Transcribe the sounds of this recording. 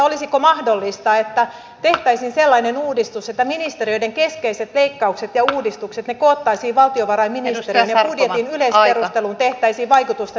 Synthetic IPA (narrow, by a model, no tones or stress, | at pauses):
olisikomɑhdolːist̪ɑet̪ːæ | t̪eht̪æisinselːɑinenuːdist̪uset̪ːæminist̪erijodeŋkeskeiset̪leikːɑukset̪jɑuːdist̪ukset̪nekoːt̪ːɑisiːʋɑlt̪ioʋɑrɑiminist̪erinjɑɑpbudjeinyleisperust̪elunt̪eht̪æisiːʋɑikut̪ust̪ɑ